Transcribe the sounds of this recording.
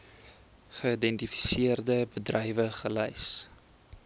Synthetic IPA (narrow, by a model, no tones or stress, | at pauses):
χəidɛntifi̥siərdəbədrɛjvəχəlɐjs